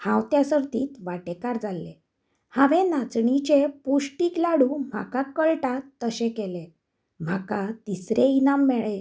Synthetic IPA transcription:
hãwt̪jasəɾt̪iːt̪ʋaʈekaɾd͡zalːḛ | haʋẽnat͡sɳit͡ɕepuʂʈiːklaɽũm̤a̰kakəɭʈat̪ːəɕẽkɛlẽ | m̤akat̪isɾeinamːɛɭẽ

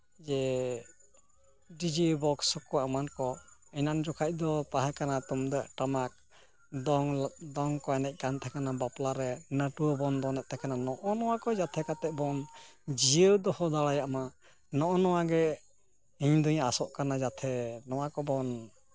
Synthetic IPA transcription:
d͡ʒɛ | ɖid͡ʒibɔksɔkɔamankɔɛnand͡ʒɔkʰac̚d̪ɔt̪aɦɛkanat̪umd̪əʔʈamak̚ | d̪ɔŋd̪ɔŋkɔɛnɛc̚ˀkant̪ʰɛkanabaplaɾɛnəʈuɔbɔnd̪ɔnɛʔ̚t̪ɛkananɔʔɔnɔwakɔd͡ʒat̪ʰɛkat̪ɛʔbɔnd͡ʒiəwd̪ɔhɔd̪aɽajaʔma | nɔʔɔnɔwaɡɛ | hiɲd̪uɲasɔʔkanad͡ʒat̪ʰɛnɔwakɔbɔn

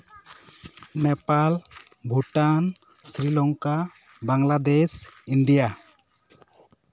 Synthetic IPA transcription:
nɛpalbʱuʈan | sɾilɔŋka | baŋlad̪ɛsiɳɖija

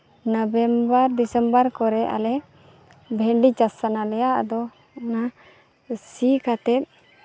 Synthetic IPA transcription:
nəbɛmbəɾd̪isəmbəɾkɔɾɛʔa̰lɛ | bʱɛɳɖit͡ʃasanalɛjaʔd̪ɔ | ɔna | sikat̪ɛt̪̚

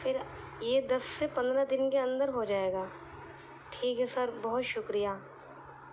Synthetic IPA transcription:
fʰɪɾ | jed̪ɐsːepɐ̃nd̪ɾad̪ɪnkeɐ̃nd̪əɾɦod͡ʒaːeːɡaː | ʈʰiːkɦɛsɐɾbɐɦʊt̪ʃʊkɾijaː

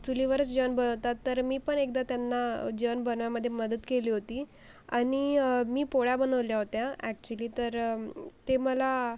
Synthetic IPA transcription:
t̪uliʋəɾət͡sd͡ʑəʋənbənəʋt̪at̪ːəɾmiːpəɳek̚d̪at̪janːad͡ʑəʋənbənʋjaməd̪ʱːjeməd̪ət̪keliːɦot̪iː | aɽ̃imiːpoɽabənəʋljaɦot̪jaækt͡ɕuəliːt̪əɾt̪eməla

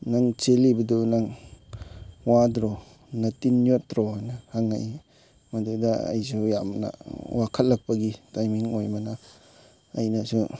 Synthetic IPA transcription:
naŋt͡ʃelibɐdunaŋ | wadɾɔ | nɐtinːjotɾɔajnahaŋa̰j | madudaa̰jsujamna̰wakʰɐt̚lɐk̚pɐɡitajmiŋojmanaː | jnasu

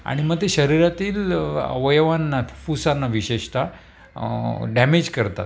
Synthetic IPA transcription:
a̰ɽ̃iməɡ̚t̪eɕəɾiɾat̪iːlʋəjʋanːafusanːaʋiɕeʂt̪a | ɖæmed͡ʑkəɾt̪a̰t̪̚

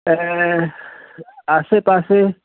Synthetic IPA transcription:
ɛ | asepase

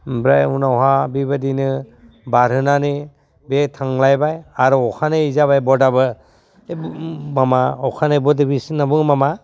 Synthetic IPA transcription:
bɾajunawɦabibadinɯ | baɾɯnani | betʰaŋlajbajaɾɯɔkʰanɯizaβajbɔdabɯ | bmamaɔkʰanɯbɔdibisnabɯŋmama

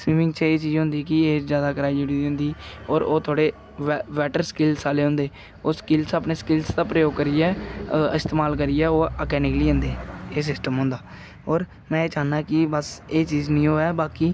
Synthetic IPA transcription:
siːʋɪ̃ŋɡt͡ʃəeːt͡ʃiːzɦʊ̃nd̪iːkɪeːd͡ʒjaːd̪aːkɾaːid͡ʒuɽiːʊ̃nd̪iːɔːɾoːt̪ʰoːɽeː | ʋʋɛːʈəɾskɪlsaːleːɦʊ̃nd̪eː | oːskɪlsaːpneːskɪlsd̪aːpɾəjoːɡ̚kəɾɪːɛːɪst̪eːmaːlk̬əɾɪːɛːoːɔːkɛːnɪkliːə̃nd̪eːeːs̬ɪsʈəmɦʊ̃ːnd̪aː | ɔːɾ | mɛ̃ːt͡ʃaːnaːkɪbəseːt͡ʃiːznĩːoːɛːbaːkiː

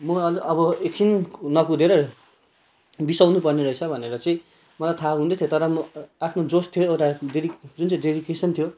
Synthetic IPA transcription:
mʌʌʌbʌeksinnʌkud̪eɾʌ | bisawnupʌrneɾʌit͡sʰʌbʱʌneɾʌt͡sʌĩ | mʌlajt̪ʰaɦũnd̪et̪ʰjot̪ʌɾʌmʌapʰnod͡zostt̪ʰijoewʈadeɾikd͡zunt͡sʌĩdedikesʌnt̪ʰjo

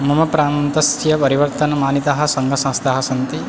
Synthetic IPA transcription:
mɐmɐpɾaːnt̪ɐsjɐpɐɾiʋɐɾt̪ɐnɐmaːnit̪aɦɐ̆sɐŋɡʱɐsɐ̃st̪ʰaɦɐ̆sɐnt̪i

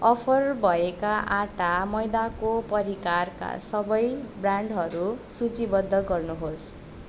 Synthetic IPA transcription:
ʌpʰʌrbʱʌekaʔaʈamʌjd̪akopʌɾikarka̰sʌbʌjbraɳɖɦʌɾusut͡sibʌd̪ʱːʌɡʌrnuɦos

